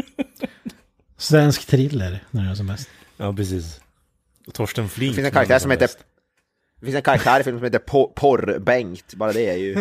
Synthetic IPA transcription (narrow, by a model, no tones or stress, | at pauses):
svɛnskt̪ʰɾɪlːəɾnæɾɑːs̬ɔmːɛst̪ | ɑːpɾɛsiːs | t̪ʰɔʂʈənflɪŋɪnsɛnkʰaɾakt̪æːɾʂɔmheːt̪ə | d̪fɪnsɛnkʰaɾak̚t̪ʰæːɾɪfɪlmsɔmheːt̪əɾpʰɔpʰɔɾbɛŋkt̪bɑːɾad̪ɛæɾjʉ